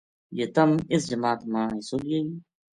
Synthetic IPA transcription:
jeːt̪əmɪsd͡ʒəmaːt̪mãːiːsoːlei

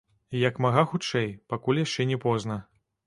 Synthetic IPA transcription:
jɐkmaɣaxut͡ʂɛjpakulʲjaʂt͡ʂɛnʲɛpɔznɐ

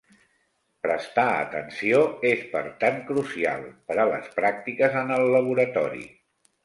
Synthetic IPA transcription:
pɾəst̪aə̰t̪ənsioespə̰ɾt̪aŋkɾusia̰lˠpəɾələ̰spɾak̚t̪ikəzənəlːəβ̞uɾət̪ɔ̰ɾḭ

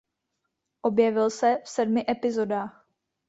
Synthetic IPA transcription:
ʔo̞bjɛvɪlsɛfsɛdmɪʔɛpɪzo̞daːx

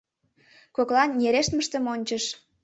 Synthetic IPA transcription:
koklɑnjeɾeʃt̪məʃt̪ə̆monʲt͡ɕəʃ

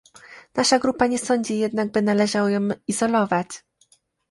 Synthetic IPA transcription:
naʂaɡɾupaɲɛsɔɲd͡ʑijɛd̪naɡ̚bɘnalɛʐawajɔ̃wizɔlɔvat͡ɕ

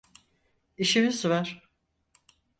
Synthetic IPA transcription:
iʃimizvaɾ̥

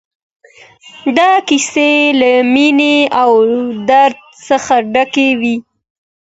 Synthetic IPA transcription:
d̪ɑkiselamineawd̪aɾd̪̚səxaɖakewi

